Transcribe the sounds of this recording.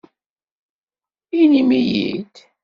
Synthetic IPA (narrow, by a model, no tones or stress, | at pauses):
inimijḭd̪